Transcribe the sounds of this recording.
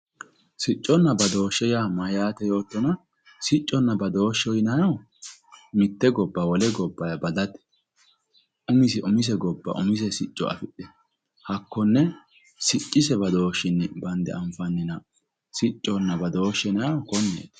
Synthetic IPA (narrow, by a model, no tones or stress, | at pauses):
sɪt͡ʃʼːɔnːɐbɐd̪o̞ːʃːɛjaːmɐjaːt̪ɛjo̞ːt̪ːɔnɐ | sɪt͡ʃʼːɔnːɐbɐd̪o̞ːʃːɔjnɐjɐw | mɪt̪ːɛɡɔbːɐwɔlɛɡɔbːɐjɐbɐd̪ɐt̪ɛ̥ | ʔʊmɪsɪʔʊmɪs̬ɛɡɔbːɐ̰ʔʊmɪs̬ɛsɪt͡ʃʼːɔ̰ɐ̰fɪᶑɛ | hɐkːɔnːɛ | sɪt͡ʃʼːɪsɛbɐd̪o̞ːʃːɪnːɛbɐnd̪ɛ̰ʔɐmfɐnːɪnɐ | sɪt͡ʃʼːɔnːɐbɐd̪o̞ːʃːɛnɐjɐwkɔnːḛːt̪